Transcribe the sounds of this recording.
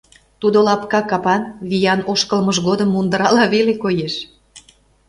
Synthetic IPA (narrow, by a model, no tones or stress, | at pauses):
t̪ud̪olɑpkɑkɑpɑnβijɑnoʃkəlməʒɣod̪ə̆mːund̪əɾɑlɑβelekojeʃ